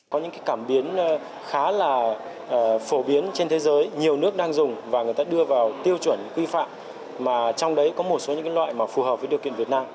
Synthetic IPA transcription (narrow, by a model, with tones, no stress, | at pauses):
kɔ˨˦ɲɨ̰˧˥ŋkaː˨˦jkaː˧˩mɓi˨˦ən˧ | xaː˨˦laː˨˩˨ | fo˧˩ɓi˨˦ənt͡ɕe˧nt̪ʰe˨˦zəː˨˦jɲi˨˩əwnɨ˦˥ək̚ɗaː˧ŋzʊ˨˩ŋ͡mvaː˨˩ŋɨ˨˩əjt̪aː˧ɗɨ˧əvaː˨˩wt̪i˧əwt͡ɕwə˧˩nkwi˧fa̰ː˧˨m | maː˨˩t͡ɕɔ˧wŋ͡mɗə˨˦jkɔ˨˦mo˨˩t̚so˨˦ɲɨ̰˧˥kaː˨˦lwa̰ː˧˨jmaː˨˩fu˨˩həː˨˩p̚vəː˨˦ɗi˨˩əwkḭ˧˨ənvət̚naː˧m